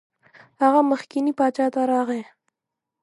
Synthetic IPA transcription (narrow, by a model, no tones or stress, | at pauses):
haɣaməxkinipɑt͡ʃɑt̪aɾɑɣe